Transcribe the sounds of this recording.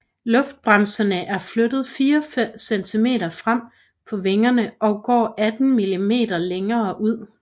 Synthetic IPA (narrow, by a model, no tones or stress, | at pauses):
lɔ̽fd̥̚b̥ʁamsɐnəʔæɐflød̥ð̞̩ˠfiːɒfem̰sent͡sʰime̝̰ːɾɐfʁam̰ | pʰɒ̽ʋe̝ŋɐnəʔɒ̽ɡ̥ɒ̰ːʔæd̥n̩milime̝̰ːd̥ɐleŋɐːʔuð̞̰ˠ